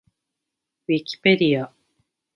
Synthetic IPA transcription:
wikʲi̥pe̞d̪ʲia

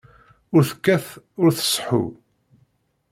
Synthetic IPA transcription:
ʊɾθəkːæθ | ʊɾθə̥sˤħṵ

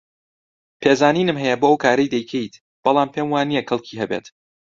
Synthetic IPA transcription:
pʰeːzaːniːnɨmɦɛjɛboːowkʰaːɾɐjd̪ɐjkʰejt̪ | b̥ɐlˠaːmpʰeːmwaːnijɛkɐlˠkʰiːɦɛbḛt̪

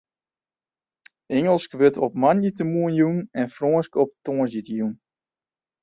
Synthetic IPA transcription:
ɛŋəlˠskʋøtʰɔp̚manjətəmuənjunɛnfroənskɔp̚toːəzjitəjun

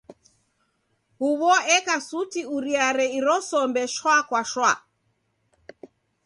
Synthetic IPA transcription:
huβɔɛkasutiuɾiaɾɛiɾɔsɔmbɛʃwakwaʃwa

